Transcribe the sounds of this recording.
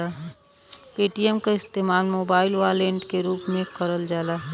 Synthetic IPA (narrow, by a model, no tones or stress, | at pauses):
aɦ | piːʈijɛmkaɪst̪eːmaːnmoːbaːɪlʋaːlẽɳʈkeɾuːpmẽkəɾəld͡ʒaːlaɦɛ